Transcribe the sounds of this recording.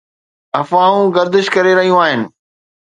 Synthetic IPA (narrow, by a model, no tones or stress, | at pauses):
ɐfãːũɡɐɾd̪ɪʃkɐɾeɾɐɦijũaːɦɪnɪ̆